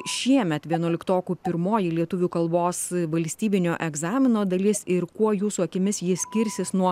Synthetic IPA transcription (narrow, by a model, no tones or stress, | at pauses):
ʃʲiɛmʲɛt̪ʋʲiɛnuɔlʲɪkt̪oːkʲuːpʲɪɾmoːjɪlʲiɛt̪ʊʋʲuːkɐlˠboːsʋɐlʲsʲt̪ʲiːbʲɪnʲoːʔɛɡzɑːmʲɪnoːd̪ɐlʲɪsɪɾkuɔjuːsuːɐkʲɪmʲɪsjiːsʲkʲɪɾʲsʲɪsnuɔ